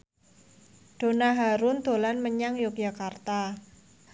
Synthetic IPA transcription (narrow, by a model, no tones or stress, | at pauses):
ɖ̥o̤naɦaɾʊnd̪olanməɲaŋjʊk̚d͡ʒakart̪a